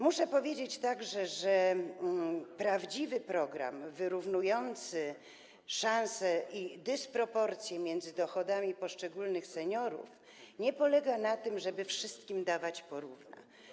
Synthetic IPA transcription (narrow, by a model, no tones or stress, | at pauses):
muʂɛpɔvʲjed͡ʑet͡ɕt̪aɡʐɛʐɛ | pɾavd͡ʑivɘpɾɔɡɾa̰mvɘɾuvnujɔnt̪sɘ | ʂansɛʔid̪ɘspɾɔpɔɾt̪sʲjɛmʲjɛnd̪zɘd̪ɔxɔd̪amʲipɔʂt͡ʂɛɡulnɘxsɛɲɔɾṵf | ɲɛpɔlɛɡanat̪ɘmʐɛbɘfʂɘst̪kʲimd̪avat͡ɕpɔɾuvna̰